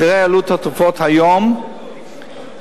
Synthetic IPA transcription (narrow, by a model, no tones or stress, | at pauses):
ʁealut̪hat̪ufɔt̪hajom